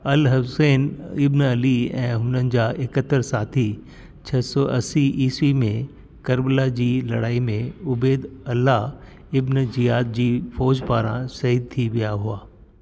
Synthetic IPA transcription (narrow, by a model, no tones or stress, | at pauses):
ɐlɦɐseːnɪbnɐliɛ̰̃ːɦʊnənɪ̆d͡ʑaːʔɪkət̪ːəɾsaːt̪ʰi | t͡ɕʰɐsɔʔɐsiʔiːswimẽ | kɐɾbəlad͡ʑiːlɐɽaːimẽʊbeːd̪ɐlːa | ɪbnzijaːd̪̚d͡ʑiːfɔːd͡ʑpaːɾã̰sɐɦiːd̪̚t̪ʰiʋijaɦuaː